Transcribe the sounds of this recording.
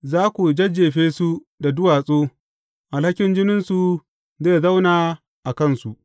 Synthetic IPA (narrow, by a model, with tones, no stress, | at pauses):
zaː˦kʷu˨d͡ʒɐ˦d͡ʒeː˨ɸeː˦su˦ | da˨dʊ˦waː˨sʼoː˦ | ʔa˨lha˦kʲɪ˦nd͡ʒɪ˦nɪ˦nsu˨ | zeː˦˨za˦wnaː˨ | ʔa˨kɐ˦˨nsu˨ʔ